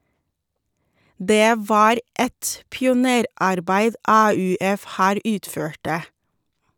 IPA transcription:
ˈdeː ˈʋɑːɾ ˈɛt pɪʊˈneːɾɑɾˌbæɪd ˈɑːʉːˌɛf ˈhæːɾ ˈʉːtˌføːʈə

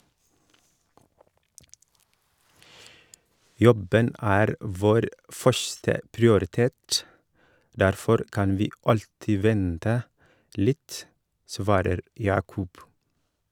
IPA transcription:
ˈjɔbən ˈæːɾ ˈʋoːɾ ˈfœʃθə pɹɪʊɾɪˈteːt ˈdæɾfɔɾ ˈkɑn ˈʋiː ˈɑʎtɪ ˈʋɛntə ˈlɪt ˈsʋɑːɾəɾ ˈjɑːkʊb

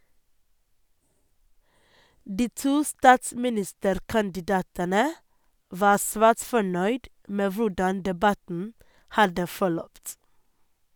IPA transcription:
ˈdiː ˈtuː ˈstɑːtsmɪˌnɪstəɾkɑndɪˌdɑːtənə ˈʋɑː ˈsʋæːʈ ˈfɔɳœʏd ˈmeː ˈʋʊɖɑn dɛˈbɑtn̩ ˈhɑdə fɔˈɭœpt

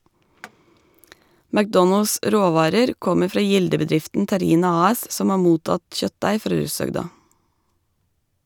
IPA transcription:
mækˈdɔnəls ˈʔɾoːˌʋɑːɾəɾ ˈkɔmə ˈfɾɑː ˈjɪldəbəˌdɾɪftn̩ tæˈɾiːnɑ ˌɑːˈɛs ˈsɔm ˈɑː ˈmuːtɑt ˈçœtˌdæɪ ˈfɾɑː ˈɹʉːsœɡdɑ

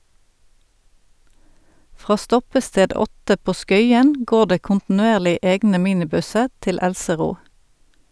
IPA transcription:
ˈfʁɑː ˈstɔpəˌsteːd ˈɔtə ˈpoː ˈskœʏən ˈɡoːʁ ˈdeː kʊntn̩ʉˈeːʁlɪ ˈeːɡnə ˈmiːnɪˌbʉsə ˈtɪl ˈælsəˌʁuː

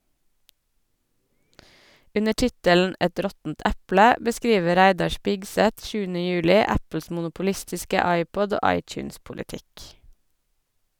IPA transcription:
ˈʉnə ˈʈɪtələn̩ ˈʔɛt ˈɾɔtn̩t ˈʔæplə bəˈskɾiːʋə ˈɾæɪdɑ ˈʃpɪɡsɛt ˈʃʉːənə ˈjʉːlɪ ˈæpl̩s mʊnʊpʊˈlɪstɪskə ˈɑɪpɔd ˈoː ˈʔɑɪt͡ʃʉːnspʊlɪˌtɪk

